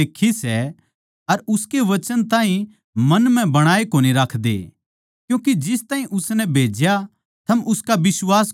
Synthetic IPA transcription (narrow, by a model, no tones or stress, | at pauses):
eːkʰːisɛ | ɐɾʊskeʋɐt͡ʃənt̪ãːɦĩ | mɐnm̤ɛ̃bɐɽ̃aːekoːniɾakʰd̪ḛ | kjũːkid͡ʒɪst̪aːɦĩʔʊsnɛbʱeːd͡ʒja | t̪ʰɐmʊskaʋɪswaːs